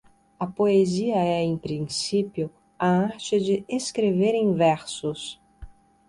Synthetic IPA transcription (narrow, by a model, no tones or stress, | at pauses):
ɐpoeziɐɛẽj̃pɾĩsipjʊ | ɐaaɾt͡ʃɪd͡ʒɪeskɾeveɾẽj̃vɛɾsʊs